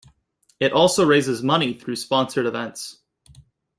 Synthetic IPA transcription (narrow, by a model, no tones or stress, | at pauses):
ɨɾʔɔlˠsoʊɹeɪzɨzmʌñiθɹʉspɑ̃nsə˞ɾɨvɛ̃nts